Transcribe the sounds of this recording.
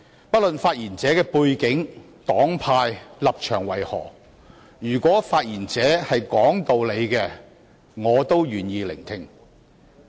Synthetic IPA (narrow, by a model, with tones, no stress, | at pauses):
pɐ˥t̚lɵ˨nfaː˧t̚jiː˨˩nt͡sɛː˨˥kɛː˧puː˧jkɪ˨˥ŋ | t̪ɔː˨˥ŋpʰaː˧jlɐ˨p̚t͡ʃʰœː˨˩ŋwɐ˨˩jhɔ̰ː˨˩ | jyː˨˩kwɔː˨˥faː˧t̚jiː˨˩nt͡sɛː˨˥hɐ˨jkɔː˨˥ŋt̪o˨˧wle˨˧jkɛː˧ | ŋɔː˨˧t̪o˥wjyː˨˩njiː˧lɪ̰˨˩ŋt̪ʰɪ˧ŋ